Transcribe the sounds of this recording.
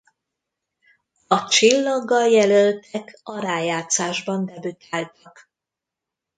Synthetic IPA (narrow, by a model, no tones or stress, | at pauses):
ɒt͡ʃilːɒɡːɒljɛlølt̪ɛkɒɾaːjaːt̪saːʒbɒnd̪ɛbyt̪ʰaːlt̪ɒk